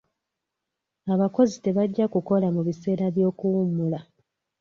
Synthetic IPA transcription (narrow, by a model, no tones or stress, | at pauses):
aβako̞zite̞βaɟːakuko̞lamuβise̞ːɾaβjo̞ːkuwumula